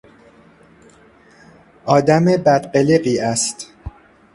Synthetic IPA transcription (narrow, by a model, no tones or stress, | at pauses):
ʔɒːd̪æmebæd̪ɢeleɢiːæst̪